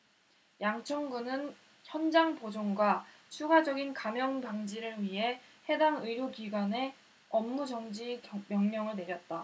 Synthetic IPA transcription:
jaŋt͡ɕʰʌŋɡunɯn | çjʌnd͡ʑaŋpod͡ʑoŋɡwa | t͡ɕʰuɡad͡ʑʌɡinkamjʌŋdaŋd͡ʑiɾɯɭɥiɦe̞he̞daŋɯiɾjoɡiɡwane̞ | ʌmːud͡ʑʌŋd͡ʑimjʌŋɲʌŋɯɭne̞ɾjʌt̚t͈a

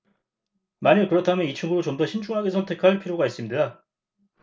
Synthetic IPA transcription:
maɲɯkɯɾʌtʰamjʌnit͡ɕʰɯŋɡudot͡ɕomdʌɕʰind͡ʑuŋɦaɡe̞sʰʌntʰe̞kʰaɭpʰiɾjoɡais͈ɯmɲiida

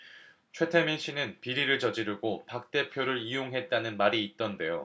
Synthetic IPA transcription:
t͡ɕʰwe̞tʰeminɕʰinɯnpiɾiɾɯɭt͡ɕʌd͡ʑiɾuɡopak̚t͈e̞pʰjoɾɯɾijoŋɦe̞t̚t͈anɯnmaɾiːt̚t͈ʌnde̞jo

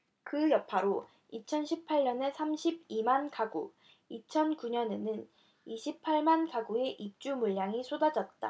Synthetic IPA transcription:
kɯjʌpʰaɾo | it͡ɕʰʌnɕʰipʰaʎːʌne̞sʰamɕʰib̚imankaɡu | it͡ɕʰʌnkuɲʌne̞nɯn | iɕʰipʰaɭmankaɡue̞ʔip̚t͡ɕ͈umuʎːjaŋisʰodad͡ʑʌt̚t͈a̰

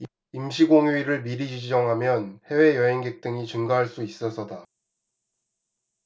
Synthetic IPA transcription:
imɕʰiɡoŋiɾɯɭmiɾid͡ʑid͡ʑid͡ʑʌŋɦamjʌnhe̞we̞jʌɦe̞ŋɡek̚t͈ɯŋit͡ɕɯŋɡaɦaɭs͈uis͈ʌsʰʌda

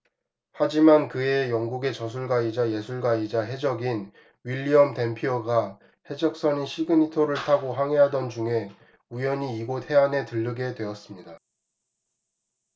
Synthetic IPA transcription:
had͡ʑimankɯe̞jʌŋɡuɡe̞t͡ɕʌsʰuɭɡaid͡ʑaje̞sʰuɭɡaid͡ʑaɦe̞d͡ʑʌɡin | ɥiʎːiʌmtempʰjoɡa | he̞d͡ʑʌk̚s͈ʌɲiɕʰiɡɯɲitʰoɾɯɭtʰaɡoɦaŋɦe̞ɦadʌnd͡ʑuŋe̞ | ujʌɲiːɡothe̞anɦe̞tɯɭːɯɡe̞dwe̞ʌs͈ɯmɲida

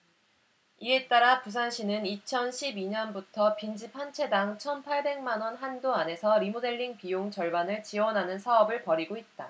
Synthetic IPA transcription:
iet͈aɾapus̬ʰanɕʰinɯnit͡ɕʰʌnɕʰibiɲʌnbutʰʌpind͡ʑipʰant͡ɕʰe̞daŋt͡ɕʰʌnpʰaɭbe̞ŋmanwʌnɦandoane̞sʰʌɾimode̞ʎːiŋpijoŋt͡ɕʌɭbanɯɭt͡ɕiwʌnɦanɯnsʰaʌbɯɭpʌɾiɡoit̚t͈a

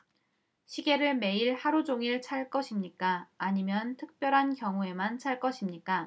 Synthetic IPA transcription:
ɕʰiɡe̞ɾɯɭme̞iɭhaɾud͡ʑoŋiɭt͡ɕʰaɭk͈ʌɕʰimɲik͈aːɲimjʌntʰɯk̚p͈jʌɾɦankjʌŋue̞mant͡ɕʰaɭk͈ʌɕʰimɲik͈a

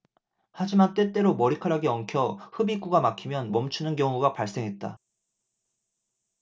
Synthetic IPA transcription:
had͡ʑimant͈e̞t͈e̞ɾomʌɾikʰaɾaɡeʌŋkʰjʌhɯbik͈uɡamakʰimjʌnmʌmt͡ɕʰunɯnkjʌŋuɡapaɭs͈e̞ŋɦe̞t̚t͈a̰

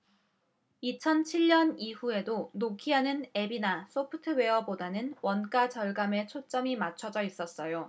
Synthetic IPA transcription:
it͡ɕʰʌnt͡ɕʰiʎːʌniɸue̞donokʰiɦanɯne̞binas͈ʰopʰɯtʰɯwe̞ʌbodanɯnwʌnk͈at͡ɕʌɭɡame̞t͡ɕʰot͡ɕ͈ʌmimat͡ɕʰʌd͡ʑʌis͈ʌs͈ʌjo

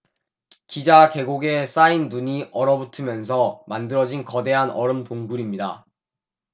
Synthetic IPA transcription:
kid͡ʑake̞ɡoɡe̞s͈ainduɲiʔʌɾʌbutʰɯmjʌnsʰʌmandɯɾʌd͡ʑinkʌde̞ɦanʌɾɯmtoŋɡuɾimɲida

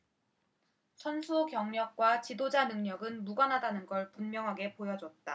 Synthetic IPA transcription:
sʰʌnsʰukjʌŋɲʌk̚k͈wat͡ɕidod͡ʑanɯŋɲʌɡɯnmuɡʌnɦadanɯnɡʌɭpunmjʌŋɦaɡe̞pojʌd͡ʑwʌt̚t͈a

